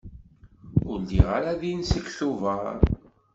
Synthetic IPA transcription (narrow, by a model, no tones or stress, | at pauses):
ʊɾdiʁa̰ɾaðinsəkθuvəɾ